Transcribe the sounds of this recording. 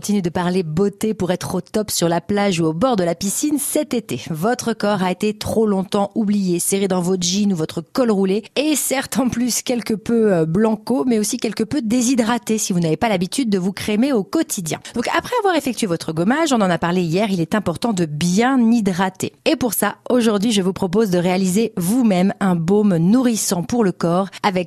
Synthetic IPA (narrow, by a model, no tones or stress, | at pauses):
kkɔ̃t̪inɥed̪əpaʁlebot̪epuʁɛt̪χot̪ɔpsyʁlaplaʒuobɔʁd̪əlapisinsɛt̪et̪ḛvɔt̪χəkɔʁaet̪et̪χolɔ̃t̪ɑ̃ublijeseʁed̪ɑ̃vɔʒinuvɔt̪χəkɔlʁuleesɛʁt̪ɑ̃plyskʲɛlkəpøøblɑ̃komɛosikʲɛlkəpød̪ezid̪ʁat̪esivunavepalabit̪yd̪̚ːəvukχemeokɔt̪ʰid̪jɛ̰̃d̪̥ɔ̃kapχɛavwaʁefɛk̚t̪ɥevɔt̪χəɡɔmaʒɔ̃nɑ̃napaʁleijɛʁilɛt̪ɛ̃pɔʁt̪ɑ̃d̪əbjɛ̃nid̪ʁat̪eepuʁsaoʒuʁd̪ɥiʒəvupχɔpozd̪əʁealizevumɛmɛ̃bomnuʁisɑ̃puʁləkɔʁavɛk